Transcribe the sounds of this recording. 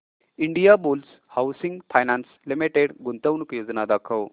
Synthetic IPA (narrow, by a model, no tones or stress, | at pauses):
iɳɖijabuls | hawsiŋɡpʰajnanslimiʈeɽɡunt̪əʋnukjoːd͡znad̪akʰəw